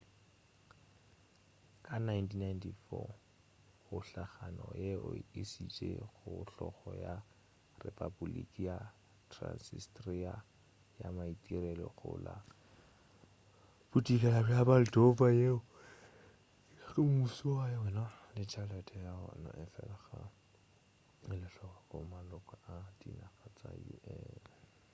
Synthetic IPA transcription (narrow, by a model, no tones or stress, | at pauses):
kʼanajntʰinajntʰifɔ | hʊɬaχanɔjeʊisit͡ʃʼeɣʊɬɔχɔja | repʼabulḭkʼija | tʰra̰nsistria | jamaitʼirɛlɔɣʊla | b̥utikɛlabiabal̩dopajeʊ | χɪmusiwajawɛnalɪt͡ʃʰalɛtʰʼɛaɔ̰nɔʔɛfɛlaχa | ɪlɪɬɔχaχʊmalɔkʼaʔadinaχat͡sʼajṵɛ